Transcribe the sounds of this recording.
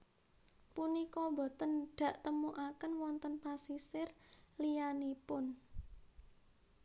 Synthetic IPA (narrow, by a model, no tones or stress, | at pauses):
punikɔbo̤t̪ənɖ̥ä̤ʔt̪əmuʔakənwɔnt̪ənpasisɪrlijanipʊn